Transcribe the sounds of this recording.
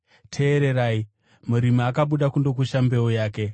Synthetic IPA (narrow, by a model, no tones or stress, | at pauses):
tʰe̞ːɾe̞ɾaːi | muɾimaakaɓuɗakundo̞k̬uʃambe̞ojaːke̞